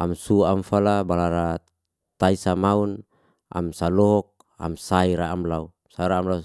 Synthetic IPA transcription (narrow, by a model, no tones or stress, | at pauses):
amsuamfalabalaɾa | t̪aisamaun | a̰msalɔɦɔk̚ | a̰msaiɾaːmlau | saiɾaːmlau